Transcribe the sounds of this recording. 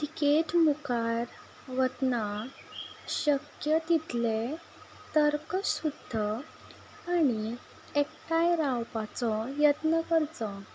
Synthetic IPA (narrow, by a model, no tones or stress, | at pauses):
ʈikeʈmukaɾ | ʋət̪na | ɕəkjət̪it̪le | t̪əɾkəsud̪ʱə | aɽ̃i | ek̚ʈajɾawpat͡sɔjət̪nəkəɾt͡sɔ